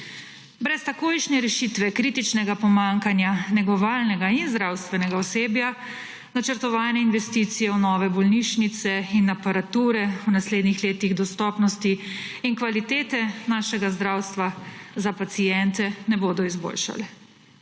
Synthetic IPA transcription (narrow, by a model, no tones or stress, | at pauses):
bɾɛst̪akoːjʃnɛɾɛʃit̪ʋɛkɾit̪it͡ʃnɛɡapɔmaŋkanjanɛɡɔʋaːlnɛɡainzd̪ɾawst̪ʋɛnɛɡaɔseːbja | nat͡ʃəɾt̪ɔʋaːnɛinʋɛst̪iːt̪sijɛwnɔːʋɛbɔlniʃnit̪sɛinapaɾat̪uːɾɛwnasleːd̪nixleːt̪iɣd̪ɔst̪ɔːpnɔst̪iiŋkʋalit̪eːt̪ɛnaːʃɛɡazd̪ɾawst̪ʋazapat̪sijɛnt̪ɛnɛboːd̪ɔizbo̰ːlʃa̰lɛ